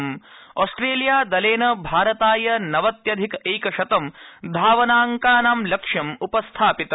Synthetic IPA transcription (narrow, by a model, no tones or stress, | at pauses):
mɔːsʈɾeːljaːd̪ɐleːnɐbʱaːɾɐt̪aːjɐnɐʋɐt̪jɐd̪ʱikeːkɐʃɐt̪ɐmd̪ʱaːʋɐnaːŋkaːnaːmlɐkʂjɐmupɐst̪ʰaːpit̪ɐ